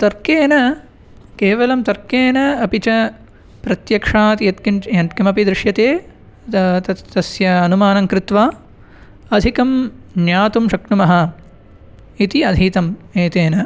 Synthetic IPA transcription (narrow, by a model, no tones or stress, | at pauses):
t̪ɐɾkeːnɐ | keːʋɐlɐmt̪ɐɾkeːnɐɐpit͡ʃɐ | pɾɐt̪jɐkʂaːt̪jɐt̪kijɐt̪kɐmɐpid̪ɾɪʃjɐt̪eː | t̪ɐt̪ɐsjɐːnumaːnɐŋkɾɪt̪ʋaː | ɐd̪ʱikɐmnjaːt̪umʃɐknumɐɦɐ̆ | it̪iɐd̪ʱiːt̪ɐmeːt̪eːnɐ